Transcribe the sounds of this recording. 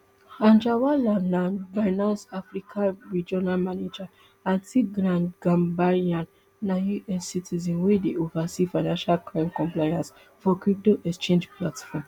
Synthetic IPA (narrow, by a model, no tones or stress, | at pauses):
ãnd͡ʒawalanavaɪnɔsafɾikʰãɹid͡ʒɔnalmaned͡ʒa | ãntiɡɾãnɡãmbaiãn | najuʔɛsːitizɛ̃nwedeʔovasifaɪnãnʃalkɾãɪ̃mkɔ̃mplajãs | fɔkwip̚doʔɛkst͡ʃẽnd͡ʒplatfɔm